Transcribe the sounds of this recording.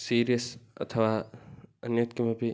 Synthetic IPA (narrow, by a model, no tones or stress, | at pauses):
siːɾijəsɐ̰t̪ʰəʋaːɐnjət̪kimebʱi